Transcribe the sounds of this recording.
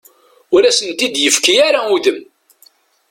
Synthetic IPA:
ʊɾæsənt̪id̪jəfkijaɾauðəm

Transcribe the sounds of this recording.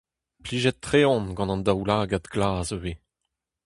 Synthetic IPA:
pliːʒɛt̪ːχeɔ̃nɡɑ̃nɑ̃nd̪awlaːɡad̪ɡlaːzøve

